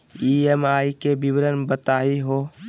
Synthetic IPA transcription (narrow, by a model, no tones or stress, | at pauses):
iːemaːikebɪʋɾənbət̪aːiɦoː